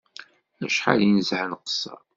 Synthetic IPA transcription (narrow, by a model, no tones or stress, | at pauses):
æʃħa̰linzʕənqə̥sːɑ̰ɾˤ